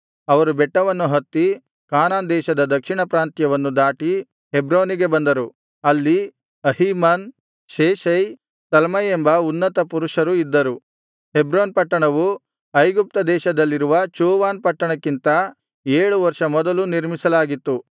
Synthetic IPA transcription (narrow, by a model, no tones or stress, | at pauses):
ɐʋɐɾubɛʈːɐʋɐnːuɦɐt̪ːi | kaːnaːnd̪ɛːʃɐd̪ɐd̪ɐkʂiɳɐpɾaːnt̪jɐʋɐnːud̪aːʈi | ɦebɾoːniɡebɐnd̪ɐɾu | ɐlːi | ɐhimaːn | ʃeːʃɐj | t̪ɐlmɐjembɐunːɐt̪ɐpuɾuʂɐɾuid̪ːɐɾu | hebɾoːnpɐʈːɐɳɐʋu | ɐjɡup̚t̪ɐd̪ɛːʃɐd̪ɐlːiɾuʋɐt͡ʃuːʋaːnpɐʈːɐɳɐkːint̪ɐ | eːɭuʋɐɾʂɐmɔd̪ɐluniɾmisɐlaːɡit̪ːu